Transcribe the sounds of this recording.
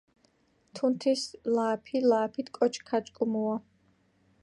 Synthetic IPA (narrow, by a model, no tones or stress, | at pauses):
t̪ʰunt̪ʰislaːpʰilaːpʰit̪ʰkʼɔt͡ʃʰkʰat͡ʃʼkʼumua